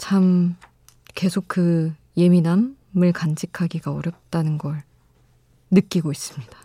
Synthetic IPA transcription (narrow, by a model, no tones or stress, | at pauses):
t͡ɕʰam | ke̞sʰok̚kɯ | je̞minam | ɯɭkand͡ʑikʰaɡiɡaʌɾjʌp̚t͈anɯnɡʌɭ | nɯk͈iɡois͈ɯmɲid̥a